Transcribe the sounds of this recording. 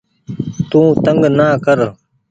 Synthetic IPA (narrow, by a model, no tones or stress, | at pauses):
t̪ũːt̪əŋɡnaːkəɾ